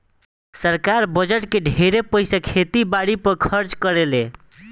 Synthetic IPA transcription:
səɾkaɾbəd͡ʒeʈkeɖʱeɾepəɪsakʰet̪ibaɽipʌɾkʰʌɾt͡ʃkəɾele

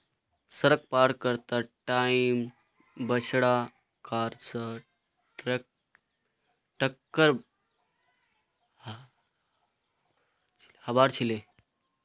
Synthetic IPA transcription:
səɾək̚paɾkəɾt̪aʈaim | bəɕɽa | kaɾt͡sa | ʈɾek | ʈəkːəɾ | hɐbaɾt͡ɕʰile

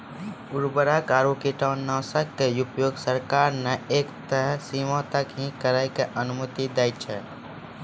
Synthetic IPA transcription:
ʊɾbəɾakaːɾokiʈaːnːəsəkt̪ejupjoːɡsəɾkaːɾneeːkt̪əɾəsimãt̪əkɦĩkəɾakeʔənʊmət̪id̪ɛːt͡ʃʰɛ

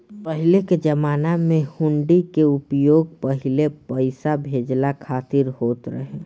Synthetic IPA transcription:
pəɦɪleked͡ʒəmaːnamẽhʊ̃ɳɖikeʊpjoːɡ̚pəɦɪlepəɪsabʱeːd͡ʒlakʰaːt̪ɪɾɦoːt̪ɾə̰ɦe

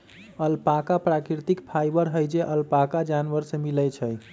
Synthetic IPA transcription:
əlpakapɾakɾit̪ikpʰajbəɾɦəjd͡ʒeʔəlpakad͡ʒanʋəɾsemilɛt͡ʃʰəj

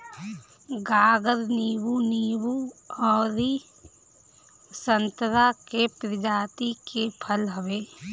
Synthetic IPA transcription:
ɡaːɡəɾniːwuniːwuɔːɾi | sənt̪ɾakepɾɪd͡ʒaːt̪ikepʰəlɦəʋeː

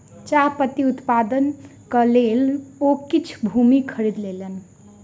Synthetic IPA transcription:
t͡ʃapət̪iut̪pad̪ənkʌlelokit͡ʃʰbʱumikʰəɾid̪lelen

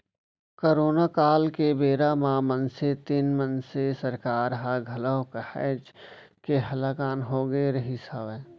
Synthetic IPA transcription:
koːɾoːnaːkaːlkebeːɾamãmənset̪inmənsesəɾkaːɾɦaɡʱɐləːkəhɛ̰d͡ʒ | keɦɐlaːkaːnɦoːɡəeɾɐɦisaːbɛ̃ː

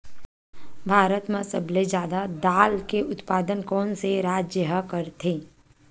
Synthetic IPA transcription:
bʱaːɾət̪mãsəbled͡ʒjaːd̪ad̪aːlkeʊt̪paːd̪ənkɔːnseɾaːd͡ʒjəɦəkəɾt̪ʰẽː

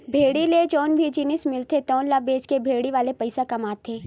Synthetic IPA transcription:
bʱeːɽiled͡ʒɔːnbʱid͡ʒiːnɪsmɪlt̪ʰet̪ɔːnlabeːd͡ʒkebʱeːɽiʋaːlepɐɪsakɐmaːt̪ʰeː

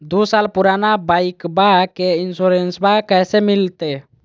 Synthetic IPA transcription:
d̪usalpuɾanabaikbakeinsuɾensbakɛsemilt̪e

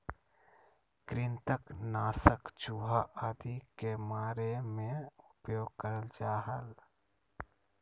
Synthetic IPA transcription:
kɾɪnt̪əknaːsəkt͡ʃuːɦaʔaːd̪ikemaːɾemẽʊpjoːɡ̚kəɾəld͡ʒaːɦəl

